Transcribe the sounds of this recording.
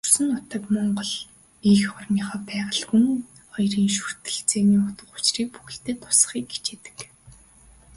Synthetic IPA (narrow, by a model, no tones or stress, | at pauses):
ur̥sɘ̆ŋʊt̪ə̆kmɔɴɢɞ̆ɮ | iːxɔr̆mʲiːχɔːpæːʁə̆ɮxuŋ | χɔjriːŋʃu̥r̥t̪ɘ̆ɮt͡seːniːʊt̪ə̆χʊ̥t͡ɕriːk̚pu̥xɵ̆ɬt̪eːt̪ʰʊ̥sə̥̆χiːkɡe̥t͡ɕeːt̪ɘ̥̆k